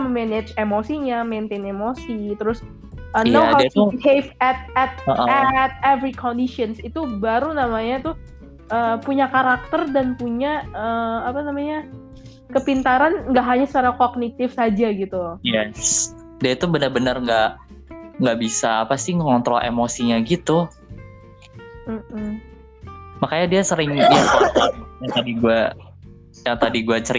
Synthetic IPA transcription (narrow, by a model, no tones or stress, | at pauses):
məmenet͡ʃemosiɲament̪enemosit̪əɾʊs | ʔənawkahefɛt̪̚ɛt̪̚əʔɛt̪̚ɛvɾikʰɔndiʃɔnsit̪ubaɾunamaɲat̪ʊh | ʔəːpuɲakaɾak̚t̪ərdanpuɲaəapanamaɲa | kəpint̪aɾanŋɡaʔɦaɲasət͡ʃaɾakoɡ̚nit̪ɪfsad͡ʒaɡit̪ujɛs | diait̪ubənərbənərŋɡa | ŋɡaʔbisaːpast̪iŋŋɔnt̪ɾɔʔḛmosiɲaɡit̪u | m̩m̩ | makajadiasəɾɪŋdia | jaŋt̪adiɡua | jaŋt̪adiɡuat͡ʃəɾi